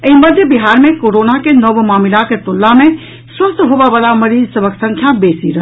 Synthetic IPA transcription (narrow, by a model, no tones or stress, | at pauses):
əiməd̪ʱjəbiɦaɾmekoɾonakenəbmamilaket̪olːame | swəst̪ɦobabalaməɾid͡ʒsəbʱəksə̃ŋkʰjabesiɾəɦ